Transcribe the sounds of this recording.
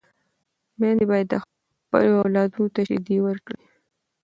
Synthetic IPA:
mend̪ebɑjad̪ːəx | pə̰loawlɑd̪unot̪aʃɪ̰d̪iwəɾkɽi

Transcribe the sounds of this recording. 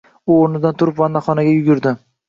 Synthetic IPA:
ʊoɾnɪd̪ant̪ʰʊɾɪpvanːaχɒnaɡʲajʊɡʲɪɾd̪ɪ

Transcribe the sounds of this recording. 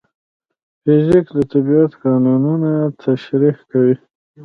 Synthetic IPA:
fɪzikd̪ət̪abiat̪kɑnununat̪ʰaʃɾihkawi

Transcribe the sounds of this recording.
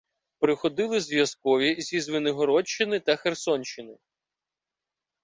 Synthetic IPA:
pɾɪxɔd̪ɪlˠɪzʋʲjɐskɔʋʲizʲizʋɪnɪɦɔɾɔt͡ʃːɪnɪt̪ɐxersɔnʲt͡ʃːɪnɪ

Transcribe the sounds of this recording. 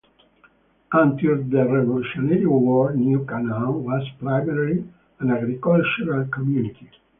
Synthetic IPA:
ãnt̪iɾd̪əɾɛvoluʃɔnɛɾĩwɔɹnjukanãwɔzpɾajmɛɾɾi | ãnaɡɾikɔlt͡ʃuɾalkɔmjunit̪i

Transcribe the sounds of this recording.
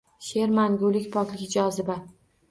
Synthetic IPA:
ʃe̞ɾmaŋɡolɪkʲpʰɒklɪkʲd͡ʒɒzɪba

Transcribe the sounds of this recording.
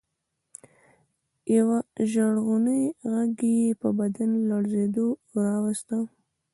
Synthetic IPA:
jawaʒaɽɣunəjɣaɡejepəbad̪anlaɽzed̪oɾɑwast̪a

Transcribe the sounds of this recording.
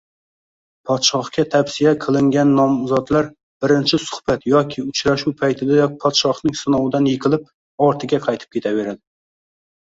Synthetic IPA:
pʰɒt̪ʃɒχkʲat̪ʰafsijaqʰɨlˠɪŋɡʲanːɒmzɒd̪laɾ | b̥ɪɾɪnt͡ʃʰɪsʊ̥hb̥at̪jɒkʲʰɪʊt͡ʃɾaʃuwpʰajt̪ʰɪd̪ajɒpʰɒt̪ʃɒχnɪŋsɨnɒwɪd̪anjɪqʰɨlˠɪp̚ | ɒɾt̪ʰɪɡʲaqʰɑjt̪ʰɪp̚kʲʰe̞t̪ʰaveɾad̪ɪ

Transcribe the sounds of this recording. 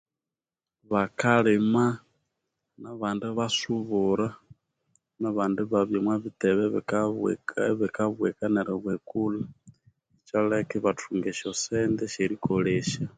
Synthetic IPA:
βakalema | naβaːndeβasuβuɾa | naβaːndeβaβjomwaβiteβeββekaβwekaneɾeβwekula | et͡ʃalekiβatʰuŋɡeʃosendeʃeɾikoleʃa

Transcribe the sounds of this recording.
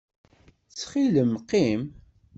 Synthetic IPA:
t͡sːχiləmqim

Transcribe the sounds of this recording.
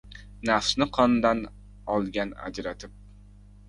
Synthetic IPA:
nafsnɪqʰɒnd̪an | ɒlˠɡʲana̰d͡ʒɾat̪ʰɪp̚

